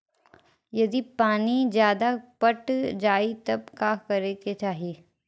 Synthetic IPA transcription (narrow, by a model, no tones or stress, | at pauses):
jɐd̪ipaːnid͡ʒjaːd̪apɐʈd͡ʒaːit̪ɐb̚kaːkɐɾeket͡ʃaːɦiː